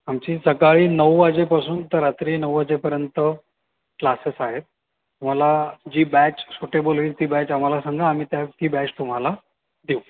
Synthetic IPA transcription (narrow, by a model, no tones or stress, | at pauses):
amt͡ɕiːsəkaɭiːnəwad͡ʑepasuːnt̪əɾat̪ɾinəʋəd͡ʑepəɾjənt̪ə | klasesaɦet̪̚ː | um̤alad͡ʑiːbæt͡ɕsoʈebolʋiːt̪iːbæt͡ɕam̤alasaŋɡãːm̤iːt̪jat̪iːbɛt͡ɕt̪um̤ala | d̪iu